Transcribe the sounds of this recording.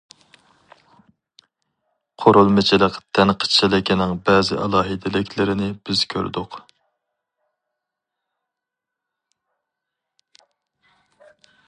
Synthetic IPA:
qʰoɾulˠmɪt͡ʃʰilˠəqt̪ʰɛnqʰə̥t͡ʃʰɛlɪkʲinɪŋbɛːzɪ̰ʔɑlˠɑːɦɨd̪ɪlɪkʲlɪɾɪnɪb̥ɪz̥kʲʰø̰ɾd̪ʊq

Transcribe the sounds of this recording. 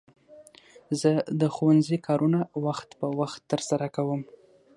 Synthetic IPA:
zəd̪əxuwanzikʰɑɾʔunawaxt̪pəwaxt̪ːəɾsaɾakawəm

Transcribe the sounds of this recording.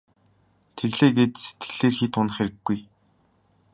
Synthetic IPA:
t̪ʰeɣɮeːɡeːt̪se̥t̪ɡɘ̆ɮeːrxit̪ʊnə̆χeɾɘ̆ɡːuj

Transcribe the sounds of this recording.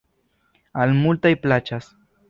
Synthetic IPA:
almult̪ajplat͡ʃas

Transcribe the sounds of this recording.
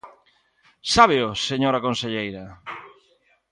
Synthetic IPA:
saβeoseɲoɾakonseʎejɾɐ

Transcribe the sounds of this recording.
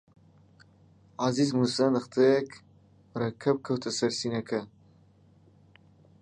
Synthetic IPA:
azizmusɐnɨχt̪ʰekʰ | rɐkʰɐb̚kʰɐwt̪ʰɐsɐɾsiːnɐkʰɐ

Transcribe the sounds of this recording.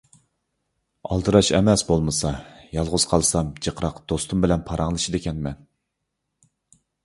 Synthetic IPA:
ɑ̰lˠt̪ɨɾɑʃɛ̰mɛsbolˠmɨsɑjɑlˠʁʊz̥qʰɑlˠsɑmd͡ʒəqʰɾɑqd̪̥ost̪umbɪlɛnpʰɑɾʔɑŋlˠɨʃid̪ekʲɛnmɛn

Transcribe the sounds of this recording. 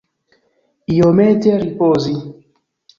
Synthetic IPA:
iomet̪eaɾipoːzi

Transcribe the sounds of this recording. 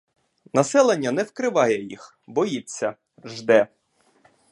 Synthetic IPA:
nɐsɛlˠenʲːɐnɛwkɾɪʋɑjɛjḭx | bɔjit͡sʲːɐ | ʒd̪ɛ

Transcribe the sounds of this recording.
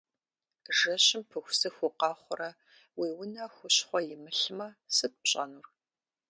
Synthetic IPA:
ʒɐɕɪmpʰɨxʷsɨxʷʊqɑːχʷʊrɐ | wiːwʊnɐxʷʊɕχʷɔjɪmɨɬmɐsɨt̚ʼpɕʼɐ̰nur

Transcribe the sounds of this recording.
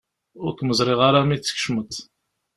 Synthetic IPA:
ʊɾt̪məzˤɾˤeʁaɾamiə̥kʃmət̪

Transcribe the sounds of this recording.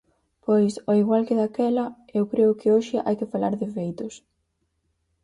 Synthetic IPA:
pojsoiɣwalkɪðakɛlɐ | ewkɾeʊkɪoʃɪʔa̰jkɪfalaɾðɪfejt̪ʊs

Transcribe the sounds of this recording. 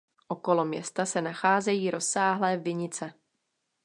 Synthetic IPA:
ʔokolo̞mjɛ̰st̪asɛnaxaːzɛjiːɾo̞sːaːɦlɛːvɪɲɪt͡sɛ

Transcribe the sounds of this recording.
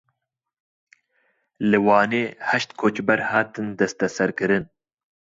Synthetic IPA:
lɨwɑːneːhɐʃt̪kʰot͡ʃbɐɾhɑːt̪ɨnd̪ɐst̪ɐsɐɾkɨɾɨn

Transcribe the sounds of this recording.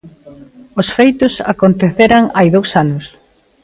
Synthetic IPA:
ʊsfejt̪ʊsa̰kont̪eθeɾaŋajðowsanʊs

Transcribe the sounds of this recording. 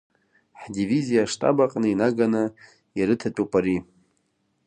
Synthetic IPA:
ħdivizijaʂtʼa̰baqʼnɨinaɡanɨ | jaɾɨtʰapʼupʼaɾi

